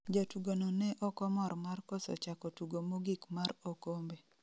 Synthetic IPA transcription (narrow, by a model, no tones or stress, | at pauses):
d͡ʒotuɡononɛʔɔkɔmɔɾmarkɔsɔ̰t͡ʃakɔtuɡomoɡikmaɾokombe